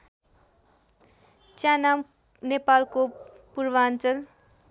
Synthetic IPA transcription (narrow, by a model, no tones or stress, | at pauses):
t͡sjanam | nepalko | purwaːnt͡sʌl